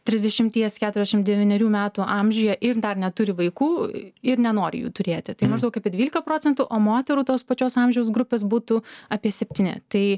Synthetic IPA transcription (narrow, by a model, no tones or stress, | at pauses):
t̪ʲɾʲɪzʲd̪ʲɛʃʲɪmʲt̪ʲiɛskʲæːt̪ʊɾɛzʲɛʃɪmd̪ʲɛʋʲinʲɛɾʲuːmʲæːt̪uːʔɑmʲʒʲʊːjɛʔɪɾd̪ɐrnʲɛt̪ʊɾʲɪʋɐɪkuːɪɾnʲɛnoːɾʲɪ̰jṵːt̪ʊɾʲeːt̪ʲɪt̪ɐɪmɐʒd̪ɐʊkɐpʲiɛd̪ʲʋiːlʲɪkɐpɾoːt͡sʲɛnt̪uʔoːmoːt̪ʲɛɾuːt̪oːspɐt͡ʃʲoːsɑˑmʲʒʲɛʊsɡɾʊpʲeːs̬buːt̪ʊɐpʲiɛsʲɛpʲt̪ʲiːnʲɪ̰t̪ɐɪ